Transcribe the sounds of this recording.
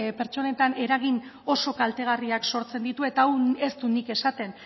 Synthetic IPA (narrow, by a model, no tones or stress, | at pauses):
pe̞ɾt͡ʃo̞ne̞t̪ane̞ɾaɣ̞ino̞so̞kalt̪e̞ɣ̞ariakso̞ɾt͡se̞nd̪it̪ue̞t̪aːwe̞st̪unike̞sat̪e̞n